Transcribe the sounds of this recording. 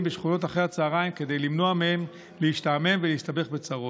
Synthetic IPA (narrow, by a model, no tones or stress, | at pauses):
mbeʃχuno̞taχehat͡saːʁaimke̞de̞jlimno̞amehem | leiʃtaːme̞mveleist̪abe̞χbet͡saʁo